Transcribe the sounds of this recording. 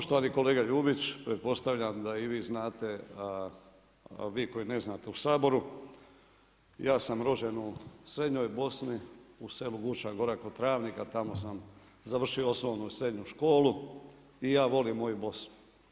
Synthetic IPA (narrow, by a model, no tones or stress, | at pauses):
poʃt̪oʋanieko̞le̞ːɡaʎuːbit͡ɕpɾet̪̚po̞st̪aʋʎʲamd̪aiʋiːznaːt̪e̞ | ʋiːko̞jine̞znaːt̪e̞usaːbo̞ɾu | jaːsamɾo̞d͡ʒenusɾe̞d̪ɲojbo̞sniuse̞luɡut͡ʃaɡo̞ɾakot̪ɾaːʋnikat̪amo̞sam | zaʋr̩ʃioosloːnusɾe̞d̪ɲuʃko̞ːlu | ijaːʋo̞limːojubo̞sn